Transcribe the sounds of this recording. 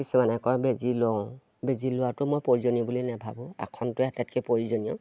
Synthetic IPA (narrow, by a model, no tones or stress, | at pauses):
kisumanɛkɔjbezilɔ | bezilʊwatʊmojpoɹizonɔbulinabʱabʊ̃a̰kʰɔntʊatɛt̚kɛpoɹizɔnijɔ